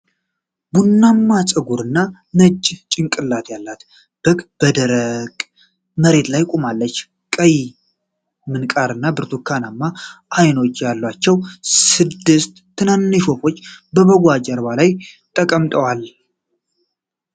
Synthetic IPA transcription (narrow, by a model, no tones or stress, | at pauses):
bunːamːat͡sʼɨɡuɾɨnːa | nət͡ʃʼːt͡ʃʼɪŋkʼɨlːat̪jalːat̪ | b̥əkb̥əd̪əɾəɡʼ | məɾe̞t̪lajkʼumalːət͡ʃː | kʼəj | mɨnkʼaɾɨnːabɨɾt̪ʰukʰːanamːaʔajno̞t͡ʃːjalːwat͡ʃːɛwsɨd̪ːɨst̪ʰː | ɨnanːɨʃofo̞t͡ʃːbəβəɡʷad͡ʒəɾbalajt̪ʼəkʼəmt̪ʼəwal